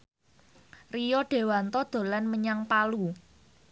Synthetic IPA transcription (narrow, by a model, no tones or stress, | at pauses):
rijɔɖ̥e̤want̪ɔd̪̥o̤lanməɲaŋpalu